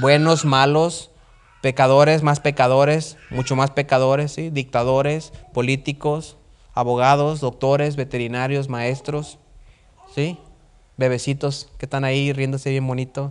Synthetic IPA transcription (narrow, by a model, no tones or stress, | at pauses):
bwe̞no̞zmalos | pe̞kaðo̞ɾe̞smaspe̞kaðo̞ɾe̞smut͡ʃomaspe̞kaðo̞ɾesːiðik̚t̪aðo̞ɾe̞spo̞lit̪ikos | aβo̞ɣ̞að̞ozðok̚t̪o̞ɾe̞zβe̞t̪e̞ɾinaɾjo̞s̬mae̞st̪ɾos | si | be̞βe̞sit̪o̞skest̪anairjend̪ose̞βje̞mbo̞nit̪o